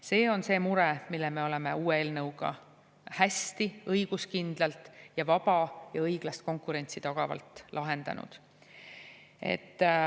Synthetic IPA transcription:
se̞ːo̞nse̞ːmuɾɛmilːeme̞o̞le̞me̞uːeeːlnɤwɡ̥ɑ̰ | hæst̪iɤjɡ̥uskind̪̥lɑlt̪ˑjɑvɑb̥ɑjɑɤjɡ̥lɑst̪̚ko̞ŋkˑuɾe̞nʲt̪sit̪ɑɡ̥ɑvɑ̰lt̪ːˑlʔɑɦe̞nd̪̥ɑ̰nṵd̪̥ | e̞̰t̪ː

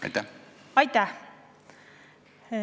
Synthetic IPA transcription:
ɑ̰jt̪ːaɑjt̪ːæh

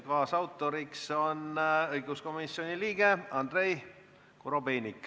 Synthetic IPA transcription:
kɑːsɑwt̪ːˑo̞ɾikso̞nɤjɡ̥usko̞misːjo̞niliːɡ̥e̞ɑnd̪̥re̞j | kuɾo̞beːnʲikːˑ

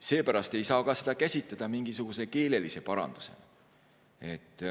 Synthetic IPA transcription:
se̞ːpæɾɑst̪e̞jsɑːkɑse̞d̪̥ɑkæsʲit̪lɑd̪̥ɑmiŋɡisuɡ̥use̞ke̞ːle̞lise̞pɑɾɑ̰nd̪̥use̞̰ | e̞t̪ːˑ

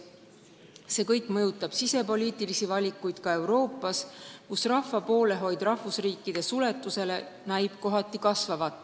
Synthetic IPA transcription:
se̞ːkɤjkˑmɤjut̪ːˑɑb̥sise̞po̞lʲiːt̪ˑilisivɑlʲikːˑujd̪̥kɑe̞wɾo̞ːpˑːɑskusrɑhvɑpo̞ːle̞ɦo̞jd̪̥rɑhvusriːkːˑid̪̥e̞sule̞t̪ːˑuse̞le̞ | næjb̥̚ko̞ɦɑt̪ːˑikɑsvɑvɑt̪ˑː

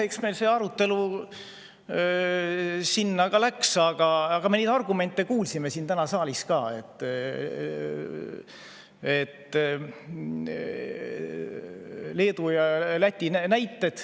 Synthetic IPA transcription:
eksme̞jlseːɑɾut̪ːe̞lu | sinːɑɡ̥ɑlæksɑɡ̥ɑɑɡ̥ɑme̞niːd̪ɑrɡume̞nt̪ːˑekuːlsime̞sint̪ænɑsɑːliskɑːe̞̰t̪ː | et̪ːˑ | le̞ːd̪ujɑlæt̪ʲːinnæjt̪ːe̞d̪̥

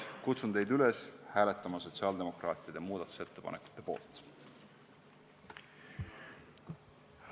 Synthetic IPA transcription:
kut̪sunt̪e̞jd̪yleshæːle̞t̪ːˑɑmɑso̞t̪siɑːld̪e̞mo̞krɑːt̪ˑiɑd̪̥e̞muːd̪̥ɑt̪ːˑu̥se̞t̪ːe̞pɑ̰nekˑu̥t̪ːˑe̞po̞̰ːlt̪ˑ

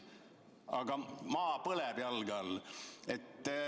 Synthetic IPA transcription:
ɑɡɑmɑːpɤlɛb̥jɑlɡɑlet̪ː

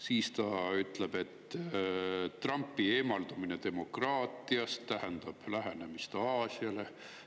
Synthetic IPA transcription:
siːst̪ɑyt̪ːˑle̞b̥e̞t̪ː | t̪ːrɑmpːˑieːmɑld̪̥umine̞d̪e̞mo̞krɑːt̪ːˑiɑst̪ːæɦænd̪̥ɑb̥læɦænemist̪eɑːsiɑle̞

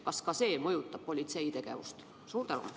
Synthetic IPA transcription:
kɑskɑse̞ːmɤjut̪ˑːɑb̥̚po̞lʲit̪se̞jt̪e̞ɡ̥e̞̰vṵst̪ | suːɾt̪ænṵm

